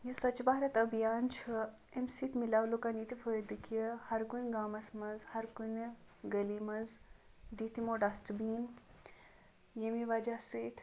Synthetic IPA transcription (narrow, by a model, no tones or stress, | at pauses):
jusɐt͡ʃbaɦɾɐt̪ɐbjaːnt͡ʃʰu | emsit̪ʰmilaːʋlokaniːt̪ifəd̪ɨkɐhɐɾkunʲɡaːmɐsmɐzhɐɾkun | ɡɐlimɐz | d̪it̪imoːɖɐsʈbiːn | jemiʋɐd͡ʒasit̪ʰ